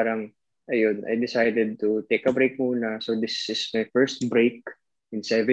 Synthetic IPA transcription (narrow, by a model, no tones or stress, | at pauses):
aɾɐŋ | ʔɐjonʔɐ̰jd̪ɪsajd̪ɛd̪̚t̪ut̪ejkɐbɾejk̚muːnɐsod̪ɪsɪsmɐjfɛɹst̪̚bɾejk̚ | ʔɪ̃nsɛvɛ